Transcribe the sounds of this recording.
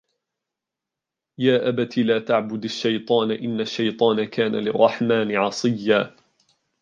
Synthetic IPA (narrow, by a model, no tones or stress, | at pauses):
jaːʔabat̪ilaːt̪aʕbʊd̪aʃːajt̪ˤɑːnaʔɪnːaʃːajt̪ˤɑːnakaːnalɪrˤːɑħmaːnɪʕɑsˤɨjːaː